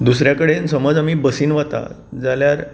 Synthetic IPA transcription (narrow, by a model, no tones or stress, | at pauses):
d̪us̬ɾjakəɽensəməd͡zamiːbəsiːnʋat̪a̰ | d͡zaljaɾ